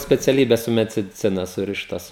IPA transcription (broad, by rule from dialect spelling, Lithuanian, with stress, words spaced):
sʲpʲɛt͡sʲɛˈlʲiːbʲɛs sʊ mʲɛdʲɪˈt͡sʲɪnɐ ˈsʊrʲɪʃtɐs